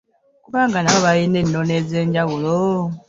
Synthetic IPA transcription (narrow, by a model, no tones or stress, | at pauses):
kuβaːŋɡanaβaβajinenːoneːzeːɲɟaɣulo